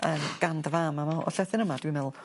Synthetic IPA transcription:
əːmɡ̥andvamamaɔ̰ɬɛθɪnəmad̥wimɛlˠ

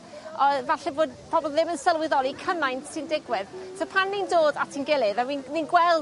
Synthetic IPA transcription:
ɔvaɬɛboːd̚pʰɔbɔlˠðɪmənsəlˠwɪðɔɾˠikʰənajnsɪndɪɡwɪðsʰɔpʰanːindoːdatʰinɡɪlˠɪðawinninɡwɛlˠ

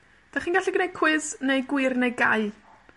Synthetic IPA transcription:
d̥aχiːnɡaɬɛɡənejkʰwɪznejɡwɪrnejɡaɨ

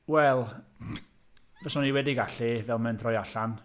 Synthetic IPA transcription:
wɛlˠ | vɔsɔniwɛdiɡaɬivɛlˠmɛndʰrɔjaɬan

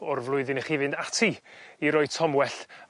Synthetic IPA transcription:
ɔrvlˠʊɨðɪnɛχɪvɨndatʰiiɾɔɨ̥tʰɔmwɛɬ

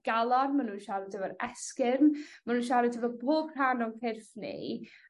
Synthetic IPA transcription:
ɡ̥alˠɔrmanuːnʃaɾɪdʰɛvəɾɛskɪrnmanuːnʃ̬aɾɛtʰəvɔboːb̥r̥aːnɔkʰɪrfnḭ

